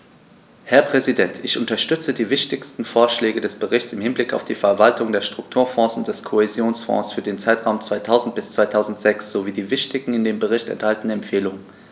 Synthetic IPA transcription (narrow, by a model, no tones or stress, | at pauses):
hɛɐpʁ̥ɛzidɛntʰɪçʔʊntɐʃtʏt͡sədiːvɪçtɪçstn̩foːɐʃlɛːɡədɛsb̥əʁɪçtt͡sɪmhɪnblɪka̰ʊfd̥iːfɛɐvaltʰʊŋdeːɐʃtʁ̥ʊk̚tʰuːɐfɔ̃ːsʊnt̚d̥ɛskʰohezjoːnsfɔ̰̃ːsfyːɐdeːnt͡saɪtʁ̥aʊmt͡sv̥aɪtʰaʊzn̩t̚b̥ɪst͡sv̥aɪtʰaʊzn̩tz̥ɛksz̥oviːdiːvɪçtɪɡŋ̩ɪndeːmbəʁ̞ɪçtɛ̰nthaltn̩ɛmpfeːlʊŋən